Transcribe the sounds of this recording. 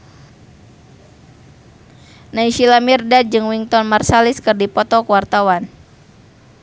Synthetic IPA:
naiʃilamirdad͡ʒɨŋwiŋt̪ɔnmarsaliskɨrdipɔt̪ɔkəwart̪awan

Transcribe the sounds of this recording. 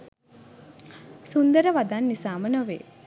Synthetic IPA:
sund̪əɾəʋad̪anːisaːmənoʋḛː

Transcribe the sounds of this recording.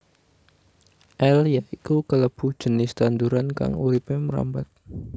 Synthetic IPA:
ʔɛljaʔikukələb̥ṳhd͡ʒ̥ənɪst̪and̪uɾanka̰ŋuɾipɪməɾa̰mbat̪̚

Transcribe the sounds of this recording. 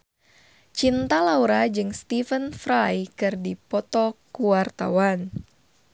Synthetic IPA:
t͡ʃint̪alauɾad͡ʒɨŋst̪ifənfɾajkɨrdipɔt̪ɔkuwart̪a̰wan

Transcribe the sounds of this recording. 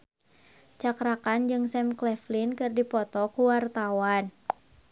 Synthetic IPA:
t͡ʃakɾakand͡ʒɨŋsɛmklɛflinkɨrdipɔt̪ɔkuwart̪awan

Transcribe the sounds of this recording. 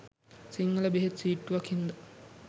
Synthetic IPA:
siŋɡɐləbeɦet̪siːʈːuʋakind̪a

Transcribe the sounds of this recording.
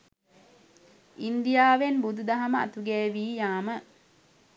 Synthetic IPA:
ind̪ijaːʋenbud̪ud̪ɐɦɐməa̰t̪uɡɛːʋiːjaːmə

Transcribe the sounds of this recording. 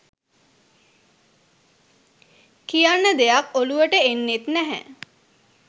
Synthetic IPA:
kijanːəd̪ejakoluʋəʈəenːet̪næɦæ̰

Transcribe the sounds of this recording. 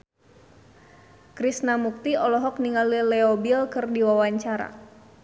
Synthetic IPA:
kɾisnamuk̚t̪iɔlɔɦɔk̚niŋalilɛɔbilkɨrdiwawaɲt͡ʃaɾa̰

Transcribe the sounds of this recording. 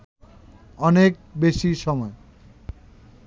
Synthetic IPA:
ɔnek̚beʃiʃɔmɔe

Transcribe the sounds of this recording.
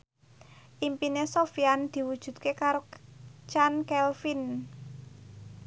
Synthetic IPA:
ʔimpinesofiand̪̥i̤wud̥ʒ̥ṳt̪̚kekaɾot͡ʃankɛlfin

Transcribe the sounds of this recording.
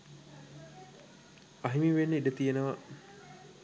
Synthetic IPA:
ɐɦimiʋenːəiɖət̪ijenəʋɐʔ

